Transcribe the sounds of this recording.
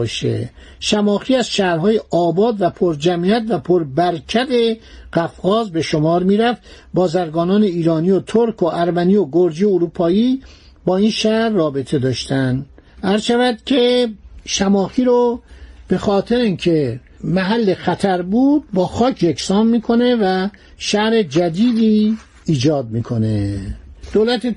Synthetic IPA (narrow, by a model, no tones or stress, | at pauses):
ʃḛ | ʃæmɒːxiːæzʃæhɾɦɒːjeʔɒːbɒːd̪væpʰoɾd͡ʒæmiːæt̪væpʰoɾbæɾcʰæd̪e̞ɢæfɣɒːzbe̞ʃo̞mɒːɾmiːɾæft̪ | bɒːzæɾɡɒːnɒːne̞iːɾɒːnijot̪ʰoɾkʰoʔæɾmænijoɡoɾd͡ʒieoɾuːpʰɒːiː | bɒːinʃæɾːɒːbe̞t̪ʰe̞d̪ɒːʃt̪ʰænd̪ | æɾzʃævæd̪̥cʰe̞ʃæmɒːxiːɾob̥e̞xɒːt̪ʰe̞ɾinkʰe̞ | mæɦælːexæt̪ʰæɾbuːd̪̚bɒːxɒːkʰjekʰsɒːmmiːkʰo̞ne̞væ | ʃæɾe̞d͡ʒæd̪iːd̪iː | d͡ʒɒːd̪̚miːkʰo̞ne̞d̪̥oːlæt̪ʰe